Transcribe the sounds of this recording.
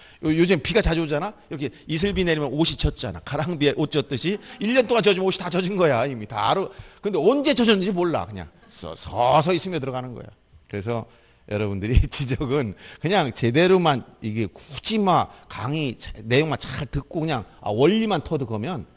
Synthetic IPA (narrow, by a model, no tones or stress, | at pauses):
jojod͡ʑɯmepiɡat͡ɕad͡ʑod͡ʑanaiɾʌkʰeis̬ʰɯɭbine̞ɾimjʌnoɕʰit͡ɕʰʌt̚t͡ɕ͈ana̰kʰaɾaŋbieʔot̚t͡ɕ͈ʌt̚t͈ɯɕʰiiʎːʌnt͈oŋant͡ɕʌd͡ʑimoɕʰi̥tat͡ɕʌd͡ʑinɡʌjaimita̰ɾokɯnde̞ʌnd͡ʑe̞t͡ɕʌd͡ʑinɯnd͡ʑimoɭːa̰kɯɲa̰ŋ | sʌ̰sʰʌ̰s̬ʰʌis͈ʰɯmiʌt̬ɯɾʌɡanɯnɡʌ̰ja̰ | kɯɾe̞s̬ʰʌ | jʌ̰ɾʌbundɯɾit͡ɕid͡ʑʌɡɯnkɯɲaŋt͡ɕe̞de̞ɾomaniɡe̞ku̥d͡ʑʰimaka̰ŋit͡ɕne̞joŋmant͡ɕaɭtɯk̚k͈okɯɲaŋa̰wʌʎːimantʰʌdɯkʌmjʌn